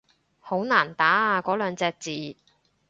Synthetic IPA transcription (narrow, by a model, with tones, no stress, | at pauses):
ho˨˥wnaː˨˩nt̪aː˨˥a˧kɔː˨˥lœː˨˧ŋt͡sɛː˧k̚t͡siː˨